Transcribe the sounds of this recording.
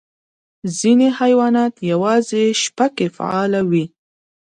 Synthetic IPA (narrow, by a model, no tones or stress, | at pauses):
zinehajwɑnɑt̪jawɑzeʃpakefa̰ɑlawi